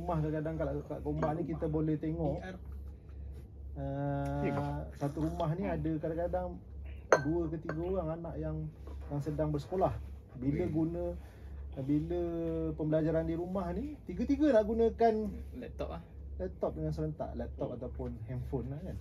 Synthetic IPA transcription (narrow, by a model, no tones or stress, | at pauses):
umahkaakadaŋkakaʔkombaʔnĩkit̪əbolɛht̪eŋɔʔ | ə | sat̪uɾumaɦniadəkadakadaŋ | duəkət̪iɡəoɾaŋanaʔjaŋjaŋsədaŋbərsə̥kolah | biləɡunə̃ | biləpəmbəlad͡ʒaɾandiɾumahnit̪iɡət̪iɡənaʔɡunə̃kanlɛt̪ɔ | lɛp̚t̪ɔp̚dəŋansəɾənt̪a̰ʔlɛp̚t̪ɔp̚at̪awpʊnɦɛmfonːahkan